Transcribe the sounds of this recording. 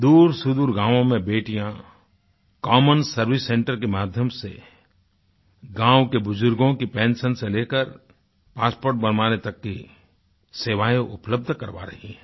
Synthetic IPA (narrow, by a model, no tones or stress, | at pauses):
d̪uːɾsʊd̪uːɾɡãːʋõmẽbeːʈijã | kɔːmənsɐɾʋɪsːẽɳʈəɾkemaːd̪ʱjəmsḛ | ɡãːwkebʊzʊɾɡõkipɛ̃ːnʃənseleːkəɾ | paːspoːɾʈ̚bɐnmaːnet̪ɐkːi | seːʋaːjõʔʊpləb̚d̪ʱkɐɾʋa̰ːɾɐ̰ɦiɦɛ̃ː